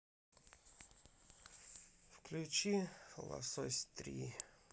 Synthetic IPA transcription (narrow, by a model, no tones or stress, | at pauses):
fklʲut͡ɕixlˠa̰sosʲt̪ɾʲḭ